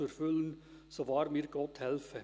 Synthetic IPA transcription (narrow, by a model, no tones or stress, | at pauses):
ʉɾfʉln | soːʋɑːɾmiːɾɡɔt̪hɛlfə